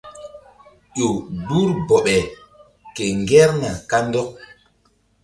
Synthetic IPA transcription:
ʄo˨bu˦ɾbɔ˨ɓɛ˨ | kɛ˨ŋɡɛ˦ɾna˨ka˦ndɔ˦

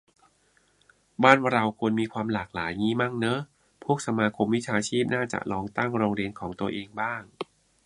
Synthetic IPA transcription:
baː˥˩nɾa˧wkʰu˧nmiː˧kʰwaː˧mlaː˨˩k̚laː˩˦jŋiː˥˩ma˥˩ŋnɤ˦˥ | pʰu˥˩ək̚sa˧maː˧kʰo˧mwi˦˥t͡ɕʰaː˧t͡ɕʰiː˥˩p̚naː˥˩t͡ɕa̰˨˩ʔlɔː˧ŋt̪a˥˩ŋɾoː˧ŋɾi˧ənkʰɔː˩˦ŋt̪u˧ɐəʔeː˧ŋbaː˥˩ŋ

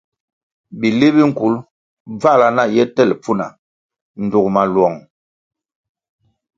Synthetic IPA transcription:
bi˨le˦bi˦ŋ̩˨ku˨˦l | b͡va˦˨la˨na˦˨jɛ˦tɛ˦˨lp͡fu˦na˨ | n̩˨du˨kma˨lwɔ˨ŋ

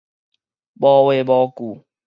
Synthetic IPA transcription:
ɓɔ˦we˦bɔ˦ku˨

